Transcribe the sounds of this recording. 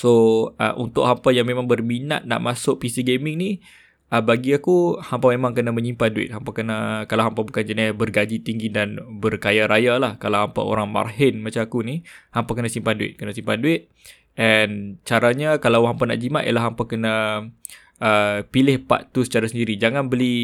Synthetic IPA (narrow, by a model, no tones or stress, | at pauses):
soə̰ʔṵnt̪ʊʔ̚hampajaŋmemãŋbərmina̰t̪̚na̰ʔmasʊʔ̚pisiɡemɪŋni | ʔəbaɡiakuhampamemãŋkənaməɲimpaduɪ̰t̪̚hampakənakalaɦampabukand͡ʒənɪbərɡad͡ʒit̪iŋɡidanbərkajaɾajalahkalawɦampa̰o̰ɾaŋma̰rɦɪnmat͡ʃaakunihampakənasimpanduɪ̰t̪̚kənasimpanduɪt̪̚ | ʔɛnt͡ʃaɾaɲakalawɦampana̰ʔd͡ʒimaʔjə̰laɦːampakəna | ʔəpilɪhpa̰ʔt̪usə̥t͡ʃaɾasəndiɾid͡ʒaŋanbəli